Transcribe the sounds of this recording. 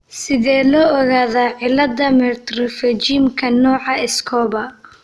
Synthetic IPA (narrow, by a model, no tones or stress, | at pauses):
sɪðɛːlɔːɔɣaːðaːʕɪlɐd̪ɐmɛt̪rɔfɛt͡ʃimkʰɐnɔːʕɑɪskʰɔːβɐ